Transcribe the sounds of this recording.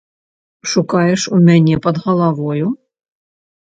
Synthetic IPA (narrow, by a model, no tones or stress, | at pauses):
ʂʊkɑjɛʂumʲanʲɛpɐd̪ɣɐlˠaʋɔjʊ